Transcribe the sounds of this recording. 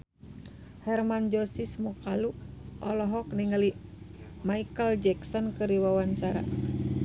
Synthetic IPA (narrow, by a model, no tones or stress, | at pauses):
hɛrmand͡ʒɔsismukaluʔɔlɔɦɔk̚niŋali | maikəld͡ʒɛksɔnkɨɾiwawaɲt͡ʃaɾa̰